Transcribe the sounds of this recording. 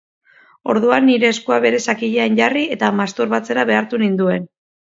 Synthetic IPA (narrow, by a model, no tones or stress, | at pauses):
o̞̰ɾðuanːiɾe̞ːskuaβe̞ɾe̞sakiʎeaɲɟarie̞t̪amast̪oɾβat͡se̞ɾaβe̞aɾt̪unind̪ue̞n